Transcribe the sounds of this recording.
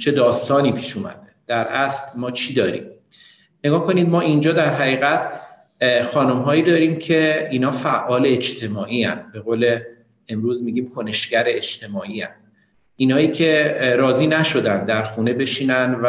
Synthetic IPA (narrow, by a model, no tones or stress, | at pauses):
t͡ʃʰe̞d̪ɒːst̪ɒːniːpʰiːʃumæ̰d̪ed̪̥æɾæslmɒːt͡ʃʰiːd̪ɒːɾḭːm | neɡɒːhkʰo̞niːd̪̚mɒːʔind͡ʒɒːd̪æɾɦæɣiːɣæt̪ʰ | xɒːnomɦɒːiːd̪ɒːɾiːmcʰe̞iːnɒːfæʔɒːleːd͡ʒt̪ʰe̞mɒːʔiːæ̰nbe̞ɣoːle̞ | emɾuːzmiːɡɟiːmkʰo̞ne̞ʃɟæɾeet͡ʃt̪ʰe̞mɒːʔiːæ̰n | iːnhɒːjiːcʰe̞ɾɒːziːnæʃo̞d̪ænd̪d̪æɾxuːne̞be̞ʃiːnænv